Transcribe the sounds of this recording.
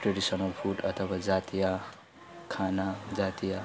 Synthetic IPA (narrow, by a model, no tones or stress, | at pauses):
ʈɾeɖisɔnʌlpʰuɖʌt̪ʰʌbad͡zat̪ija | kʰanad͡zat̪ija